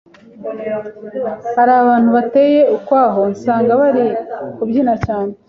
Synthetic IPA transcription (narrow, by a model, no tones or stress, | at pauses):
haɾaːβaːn̥huβate̞je̞ukwaːɦo̞saːŋɡaβaɾikubjinacaːne